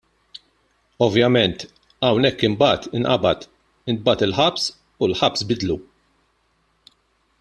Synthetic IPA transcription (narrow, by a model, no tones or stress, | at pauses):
ɔvjɐmɛnt̪ | ɐwnɛkːɪmbɐːt̪ɪnʔɐ̰bɐt̪ | ɪnbɐːt̪ɪlħɐps | ulħɐpsbɪd̪lu